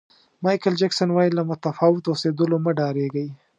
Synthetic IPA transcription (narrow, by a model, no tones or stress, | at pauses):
mɑjkəld͡ʒaksanwɑjilamʊt̪afɑwɪt̪osed̪əloməɖɑɾeɡaj